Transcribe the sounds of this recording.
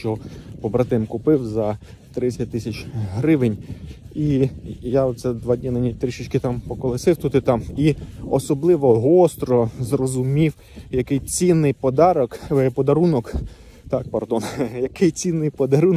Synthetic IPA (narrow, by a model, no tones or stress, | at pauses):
ʃt͡ʃpɔbɾɐt̪ɪmkʊpɪwzɐ | t̪ɾɪt͡sʲɐt̚ʲt̪ɪsʲɐt͡ʃɦɾɪʋɪnʲijaɔt̪sɛd̪ʋɑdʲnʲinɐnʲit̪ɾʲiʃɪt͡ʃkɪt̪ɑmpɔkɔlˠɪsɪwt̪ut̪ɪt̪ɑmiɔ̰sɔblˠɪʋɔɦɔst̪ɾɔzrɔzʊmʲiw | jɐkɪjt͡sʲinːɪjpɔd̪ɑɾɔkpɔd̪ɐɾunɔk | t̪ɑk̚pɐrd̪ɔnjɐkɪjt͡sʲinːɪjpɔd̪ɐɾun